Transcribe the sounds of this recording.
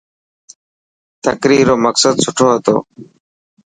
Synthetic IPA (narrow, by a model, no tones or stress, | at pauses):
t̪əkɾiːɾoːməksəd̪sʊʈʰoːɦət̪o̰ː